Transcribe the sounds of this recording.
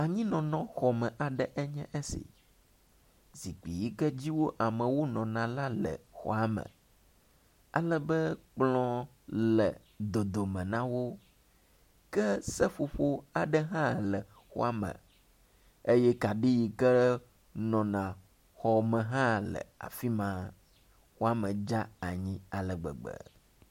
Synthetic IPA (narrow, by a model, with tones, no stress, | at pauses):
a˨ɲĩ˦nɔ̃˨nɔ̃˨xɔ˨mɛ̃˨ʔa˨ɖɛ˦ʔɛ˦ɲɛ̃˦ʔɛ˦sḭ˨ | zi˨k͡pi˨ji˦kɛ˦d͡ʑi˦wo˦ʔa˨mɛ̃˨wo˦nɔ̃˨nã˨la˦lɛ̰˨xɔ̰˦˨a˦mɛ̰̃˨ | a˦lɛ˦bɛ˦k͡plɔ̃˦ | lɛ˨ | d̪o˨d̪o˨mɛ̃˨nã˦wo˦ | kɛ˦sɛ˦fo˨ɸo˦a˨ɖɛ˦ɦã˦lɛ˨ | xɔ̰˦a˨mə̰̃˨ | e˦jɛ˦ka˨ɖi˦ji˨kɛ˦ | nɔ̃˨nã˨ | xɔ˨mɛ̃˨ɦã˦lɛ̰˨a̰˨fi˦mã˦ | xo˦a˦mə̃˨d͡ʒa˦a˨ɲĩ˦a˨lɛ˨ɡ͡bɛ̰˨ɡ͡bɛ̰˨